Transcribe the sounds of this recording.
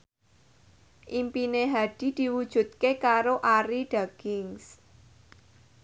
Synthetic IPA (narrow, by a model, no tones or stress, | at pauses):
ʔimpineɦad̥i̤d̪̥i̤wud̥ʒ̥ṳt̪̚kekaɾoʔaɾiɖ̥aɡ̥ɪŋs